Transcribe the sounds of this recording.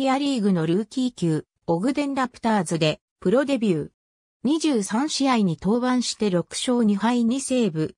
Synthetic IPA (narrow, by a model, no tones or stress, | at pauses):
iaɾʲiːɡɯ̟no̞ɾɯ̟ːkʲiːkʲɯː | o̞ɡɯ̟d̪ẽ̞nɾapɯ̥t̪aːzɨd̪e̞ | pɯ̟ɾo̞d̪e̞bʲɯː | ɲ̟iʑɨːsãɰ̃ɕiaiɲ̟it̪o̞ːbãɰ̃ɕi̥t̪e̞ɾo̞kɯ̟̥ɕo̞ːɲ̟ihaiɲ̟ise̞ːbɯ̟